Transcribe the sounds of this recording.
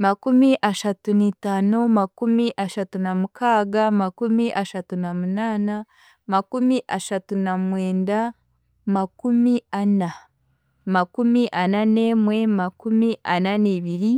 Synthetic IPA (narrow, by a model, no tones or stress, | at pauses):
makumiʔaʃatunitaːnomakumiʔaʃatunamukʰaːɡamakumiʔaʃatunamunaːna | makumiʔaʃatunamweːnda | makumiana | makumiʔanane̞ːmwe̞makumiʔananeβiɾi